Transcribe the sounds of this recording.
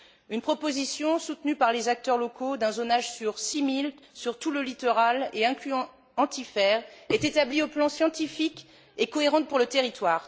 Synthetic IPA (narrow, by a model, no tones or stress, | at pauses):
ynpχɔpozisjɔ̃sut̪nypaʁlezak̚t̪œʁlɔkod̪ɛ̃zonaʒsyʁsimil | syʁt̪uləlit̪ɔʁaleɛ̃klyɑ̃ | ɑ̃t̪ifɛʁɛt̪et̪ablioplɑ̃sjɑ̃t̪ifik | ekɔeʁɑ̃t̪̚puʁlət̪eʁit̪waːʁ